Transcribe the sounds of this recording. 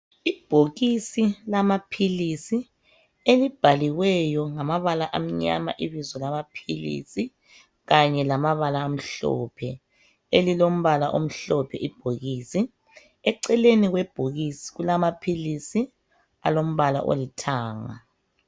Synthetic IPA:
ib̥ʱoɣisilamapʰilisi | elib̥ʱaliɣwɛjɔŋamaβalaʔam̩ɲa̰ma̰ʔiβizɔlamapʰilḭsi | ɣaɲɛlamaβalaːm̩ɬɔ̰pʰɛ | elilom̩βalaʔom̩ɬɔpʰɛʔib̥ʱoɣisi | ɛǀɛleniɣwɛb̥ʱoɣisi̥ɣulamapʰilisi | a̰lom̩βala̰ʔo̰litʰaːŋa̰

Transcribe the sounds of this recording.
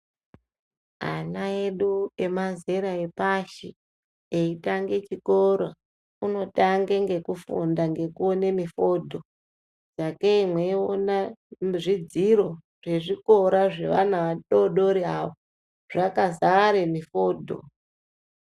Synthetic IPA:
a̰naeɗue̞manze̞ɾaepaʃi | eitaŋɡe̞t͡ʃikoɾa | uno̞taŋɡeŋɡe̞kufundaŋɡe̞kuone̞mifo̞dʱo̞ | d͡zakeimweonaʐid͡ziro̞ | ʐ̥e̞ʐiko̞ɾaʐe̞̰ʋanaʋaɗoɗoɾiaʋo | ʐ̥akazaaɾemifo̞ːdʱo̰

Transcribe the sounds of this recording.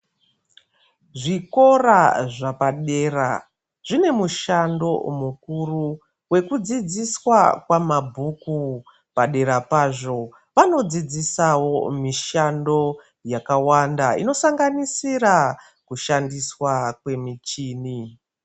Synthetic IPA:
ʐiko̞raʐapaɗe̞ra̰ | ʐ̥ine̞muʃando̞̰mukuru | we̞kud͡zid͡ziswakwamabʱuku | paɗe̞ɾapaːʐo̞ | ʋano̞d͡zid͡zisawo̞miʃando̞ | jakawandaḭno̞saŋɡanisira | kuʃandiswakwe̞mit͡ʃiːni

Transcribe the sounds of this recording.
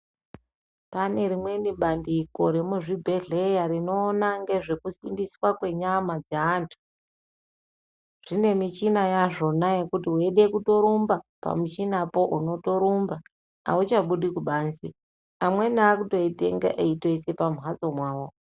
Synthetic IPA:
pane̞ɾimwe̞niɓandiko̞ɾe̞muʐibʱe̞ɮe̞jaɾino̞ːnaŋɡe̞ʐe̞kusindiswakwe̞ɲamad͡zeaːntʰu̥ | ʐ̥ine̞mit͡ʃinajaʐo̞naje̞kutiweɗe̞kuto̞ɾumbapa̰mut͡ʃinapo̞ʔuno̞to̞ɾumba̰ː | ut͡ʃaɓuɗikuɓaːnsi | amwe̞naːkuto̞ite̞̰ŋɡa̰ʔeito̞ise̞pamuɦat͡so̞mwaːwo̞

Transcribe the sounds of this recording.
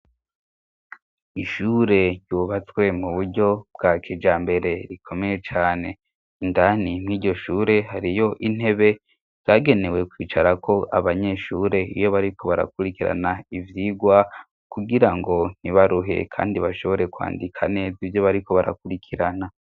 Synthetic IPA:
iʃuɾe̞juβat͡swe̞muβuɾɟo̞b̥ɡakʰiːd͡ʒaːmbe̞ɾe̞ɾikʰo̞me̞je̞t͡ʃaːne̞ | indanimŋiːɟo̞ʃuɾe̞haɾijo̞ʔin̥e̞βe̞ | z̥aːɡe̞ne̞we̞kwiːt͡ʃaɾakʰo̞ʔa̰βaɲe̞ʃuːɾe̞ijo̞βaɾikʰo̞βaɾa̰kuɾikiɾa̰naivjiɡwa | kuɡiɾaŋɡo̞n̥iβaɾuɦe̞̰kʰa̰ːndiβaʃo̞βo̞ɾe̞kwa̰ːndikʰane̞ːzivjo̞βaɾiko̞βaɾa̰kuɾikʰiɾana

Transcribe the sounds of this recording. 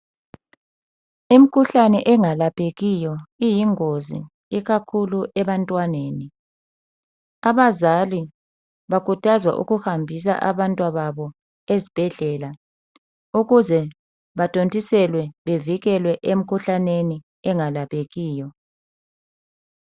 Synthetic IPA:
im̩kʰuɬanɛʔɛŋalapʰʼeɣijɔijiŋozḭ | iɣakʰuluʔɛβantʼwaneːni | aβazali | βakʰʼutʰʼazwa̰ʔṵɣuhambʱis̬a̰ʔaβantʼwaβaβɔ | ezib̥ʱɛɮɛla | uɣuzɛ | βatʼontʼisɛlwɛβeviɣɛlwɛʔem̩kʰuɬaneni | ɛŋalapʰʼeɣiːjɔ

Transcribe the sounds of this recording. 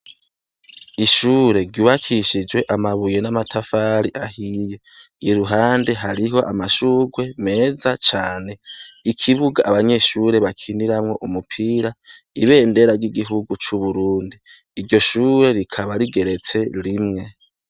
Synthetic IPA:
iʃuːɾe̞ɾɟuwakʰiʃid͡ʒwe̞ʔamaβuje̞namatʰafaɾiʔahije̞ | iɾuɦaːnde̞ɦaɾiɦo̞ʔamaʃuːɡwe̞me̞ːzat͡ʃaːne̞ikʰiβuɡaʔːβaɲe̞ʃuːɾe̞βakʰiniɾamŋo̞ʔumupʰiːɾa | iβe̞ːnde̞ɾaɾɟiɡiɦuɡut͡ʃuβuɾuːndiː | ɾɟo̞ʃuːɾe̞ɾikʰaβaɾiɡe̞ɾe̞t͡se̞ɾimŋe̞

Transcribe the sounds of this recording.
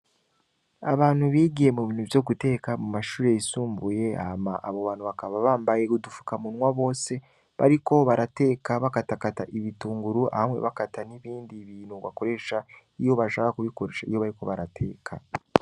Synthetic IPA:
aβaːn̥huβiːɡije̞muβiːnhuvjo̞ɡute̞ːkamumaʃuːɾe̞isuːmbuje̞amaʔaβo̞βaːn̥uβakaβaβaːmbajekudufu̥kamunwaβo̞ːse̞ | βa̰ɾiko̞βaɾate̞ːkaβakatakataʔiβituːŋɡuɾuʔa̰hamwe̞̰βakataniβiːndiβiːnhuβa̰ko̞ɾe̞ʃa | ijo̞βaʃaakakuβiko̞ɾeːʃaḭjo̞βaɾiko̞βaɾatʰe̞̰ːkʰa̰

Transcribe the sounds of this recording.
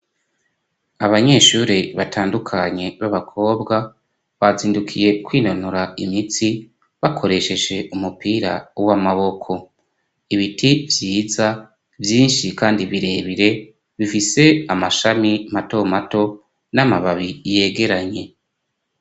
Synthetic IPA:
aβaɲe̞ːʃuːɾiβatʰaːndukʰaɲe̞βaβakʰo̞ːbɡa | βaziːndukʰije̞kwiːnonuɾaimit͡si | βakʰo̞ɾe̞ʃe̞ʒe̞ʔumupiːɾa̰wamaβo̞kʰo̞ | iβitʰivjiːza | vjiːnʃikaːndiβiɾe̞βiɾe̞ | βifise̞amaʃamimato̞mato̞ | namaβaβije̞ːɡe̞ɾaɲe̞

